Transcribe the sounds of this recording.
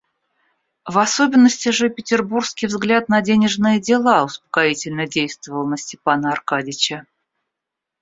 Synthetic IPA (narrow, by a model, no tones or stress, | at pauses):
vɐso̞bʲɪnːəsʲtʲɪʐɨpʲɪtʲɪrburskʲijvzɡlʲat̪̚nɐdʲenʲɪʐnɨjədʲɪlˠaʊspə̥kaitʲɪlʲnədʲejst̪vəvəlˠənəsʲtʲɪpanəɐrkadʲɪt͡ɕə